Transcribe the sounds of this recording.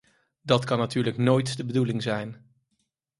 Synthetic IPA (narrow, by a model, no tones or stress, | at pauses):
dɑtkɑnːatyːɹləknojtdəbədulɪŋzɛjn